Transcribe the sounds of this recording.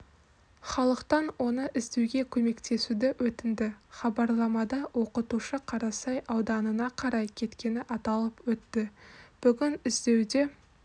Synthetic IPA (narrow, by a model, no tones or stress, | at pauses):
χɑlˠəqt̪ɑnwo̞nəʔɪzd̪e̞wɡʲe̞kʲʰɵme̞kt̪ʰe̞sud̪ɪwɵt̪ɪnd̪ɪχɑbɑɾlˠɑmɑd̪ɑwo̞qət̪uʃəqʰɑɾɑsɑjʔɑwd̪ɑnənɑqʰɑɾɑjkʲʰe̞t̪kʲe̞nɪʔɑt̪ɑlˠəpwɵt̪ːɪb̥ʏɡʲɪnɪzd̪e̞wd̪e̞